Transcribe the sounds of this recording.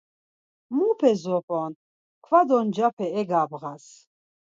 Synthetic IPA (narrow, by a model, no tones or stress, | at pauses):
mupʰɛzɔpʰʼɔn | kʰvad̪ɔnd͡ʒapʰɛɛɡabɣas